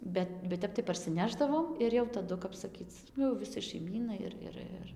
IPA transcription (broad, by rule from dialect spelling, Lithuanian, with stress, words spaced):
ˈbʲɛt bʲɛt ˈtʲɛp tɐɪ pɐrʲˈsʲɪnʲɛʒdɐʋoːm ˈɪr jɛʊ tɐˈdʊ kɐp sɐˈkʲiːt͡s ˈnʊ jɛʊ ʋʲɪˈsɐɪ ʃɐɪˈmʲiːnɐɪ ɪr ˈɪr ˈɪr